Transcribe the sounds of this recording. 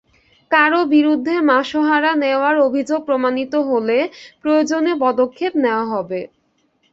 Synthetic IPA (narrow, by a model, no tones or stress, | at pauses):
kaɾobiɾud̪ʱːemaʃoɦaɾaneoaɾobʱid͡ʑoɡ̚pɾomanit̪oɦolepɾood͡ʑonepɔd̪okʰːepneoaɦɔbe